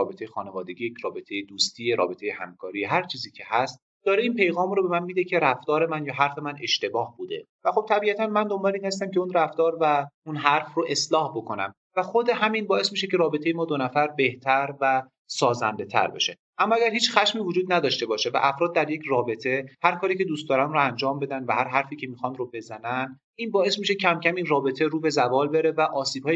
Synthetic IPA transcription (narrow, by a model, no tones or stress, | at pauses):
ɒːbe̞t̪ʰe̞jexɒːne̞vɒːd̪e̞ɡiːjecʰɾɒːbe̞t̪ʰe̞jed̪uːst̪ʰiːeɾɒ̰ːbe̞t̪ʰejehæ̰mkʰɒːɾijɦæɾt͡ʃʰiːziːcʰe̞hæst̪̚ | d̪̥ɒːɾe̞iːnpe̞jɣɒːmɾobe̞mænmiːd̪e̞cʰe̞ɾæft̪ɒːɾe̞mænjɒːɦæɾfe̞mæne̞ʃt̪e̞bɒːhbuːd̪e̞væxo̞b̚t̪ʰæbiæt̪ʰænmænd̪o̞mbɒːleiːnhæst̪æmcʰe̞unræft̪ɒːɾvæunɦæɾfroʔe̞slɒːhbo̞kʰo̞næ̰m | væxo̞d̪e̞ɦæminbɒːe̞smiʃe̞ce̞ɾɒːbe̞t̪ʰejemɒːd̪onæfæɾbe̞ht̪ʰæɾvæ | sɒːzæ̰nd̪e̞t̪ʰæ̰ɾbḛʃe̞ | ʔæmːɒːæɡæɾhiːt͡ʃxæʃmiːvod͡ʒuːd̪̚næd̪ɒːʃt̪e̞bɒːʃe̞væ̰ʔæfɾɒːd̪ːæɾjecʰrɒːbe̞t̪ʰe̞hæɾkʰɒːɾiːcʰe̞d̪uːst̪d̪ɒːɾæmɾoænd͡ʒɒːmbe̞d̪ænvæhæɾɦæɾfiːcʰe̞miːxɒnɾobe̞zænæn | iːnbɒːe̞smiʃe̞cʰæmcʰæmiːnrɒːbe̞t̪ʰe̞ɾuːbe̞zævɒːlbe̞ɾe̞væʔɒːsiːb̥hɒːj